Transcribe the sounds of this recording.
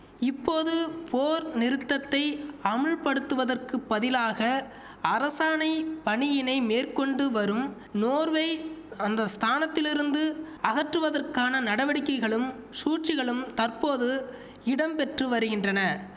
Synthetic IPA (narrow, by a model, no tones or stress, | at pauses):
ɪpːoːðɯpʰoːɾnɪɾɯt̪ːɐt̪ːɐɪɐmɐɻpɐɽɯt̪ːɯʋɐðɐrkɯpːɐðɪlaːɣɐ | ɐɾɐsaːnɐɪpɐɳɪjɪnɐɪmeːrkɔɳɖɯʋɐɾɯm | noːɾʋɐɪɐnd̪ɐst̪ʰaːnɐt̪ːɪlɪɾɯnd̪ɯ | ɐɣɐʈrɯʋɐðɐrkaːnɐnɐɽɐʋɐɽɪkːɐɪɣɐɭɯm | suːʈt͡ʃɪɣɐɭɯmt̪ɐrpoːðɯ | ɪɽɐmpɛʈrɯʋɐɾɯɣɪndrɐnɐ